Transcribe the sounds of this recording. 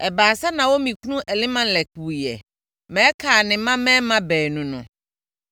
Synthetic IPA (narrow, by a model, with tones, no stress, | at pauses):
ɛ˨baː˨sa˦nã˨wo˦mĩ˨ku˦nũ˦ʔɛ˨lɪ̃˦mã˦n˦lɛ˨ku˨jɛ̰˨ | mɛ̃˦kʰaː˨nɪ̃˨mã˦mɛ̃ː˦mã˦bɛː˨nũ˨nʊ̰̃˨